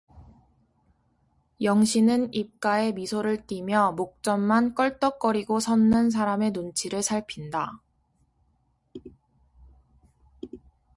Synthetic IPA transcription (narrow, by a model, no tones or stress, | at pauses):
jʌŋɕʰinɯnip̚k͈ae̞misʰoɾɯɭt͈imjʌmok̚t͡ɕ͈ʌnmank͈ʌɭt͈ʌk͈ʌɾiɡosʰʌnːɯns̬ʰaɾame̞nont͡ɕʰiɾɯɭsʰaɭpʰinda